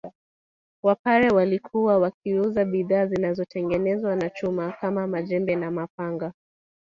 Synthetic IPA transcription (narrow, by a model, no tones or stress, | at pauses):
wapaɾɛwalikʰuwawak̚iuzaɓiðaːzinazɔtʰɛŋɡɛnɛzwanat͡ʃumakamamaʄɛmbɛnamapaŋɡa